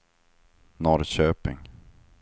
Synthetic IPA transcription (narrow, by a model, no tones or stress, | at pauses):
nɔɾɕøːpɪ̰ŋ